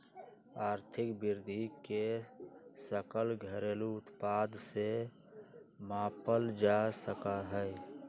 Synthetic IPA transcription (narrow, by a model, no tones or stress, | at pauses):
aːɾt̪ʰɪkbɪɾd̪ʱike | səkəlɡʱəɾeːluʊt̪paːd̪se | maːpəld͡ʒasəkaɦɛ